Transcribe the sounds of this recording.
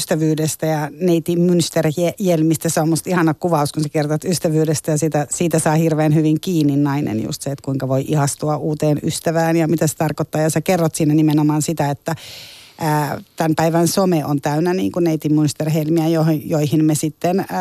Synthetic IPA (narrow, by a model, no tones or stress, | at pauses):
st̪æʋyːdest̪æjɑneit̪immynst̪erejelmist̪æseomːust̪ihɑnɑkuʋɑuskunsekert̪ɑt̪yst̪æʋyːdest̪æjɑsit̪æsiːt̪æsɑːhirʋeːnhyʋiŋkiːnːinnɑinḛnjṵst̪seet̪kuiŋkɑʋoiʔihɑst̪uɑʔuːt̪eːnyst̪æʋæːnjɑmit̪æse̥t̪ɑrkot̪ːɑːjɑsekerːot̪siːnːænimenomɑːnsit̪æet̪ːæː | t̪ænpæiʋænsomeʔo̰nt̪æynːænḭːŋkunneit̪immynst̪erhelmiæjojoihinmesit̪ːen